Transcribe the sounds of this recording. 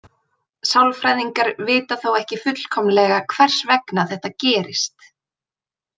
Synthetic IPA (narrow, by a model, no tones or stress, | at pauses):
sawlfɾajðiŋkaɾvɪːt̪aθowɛhcɪfʏt̪l̥kʰɔmlɛɣakʰvɛr̥svɛknaθɛht̪acɛːɾɪst̪